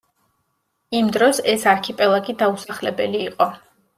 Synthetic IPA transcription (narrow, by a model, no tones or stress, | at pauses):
imd̪ɾɔsɛsaɾkʰipʼɛlˠaɡid̪ausaχlɛbɛliːqʼɔ